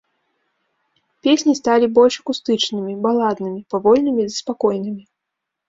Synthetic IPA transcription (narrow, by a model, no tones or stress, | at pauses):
pʲesʲnʲist̪alʲibɔlʲʂɐkust̪ɨt͡ʂnɨmʲibalˠad̪nɨmʲipavɔlʲnɨmʲizɐspakɔjnɨmʲi